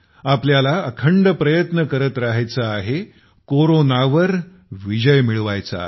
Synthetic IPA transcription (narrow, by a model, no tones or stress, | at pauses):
apljalaəkʰəɳɖəpɾəjət̪nəkəɾət̪ɾaɦajt͡saːɦe | koɾonaʋəɾ | ʋid͡ʑəjmiɭʋajt͡sa̰